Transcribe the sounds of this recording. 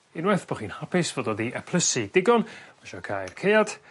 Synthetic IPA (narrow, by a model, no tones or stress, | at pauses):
ɪnwɛθb̥ɔχiːnhapɪsvɔdɔðiʔɛpʰlˠəsid̥ɪɡɔnmaʃakʰajrkʰejad̥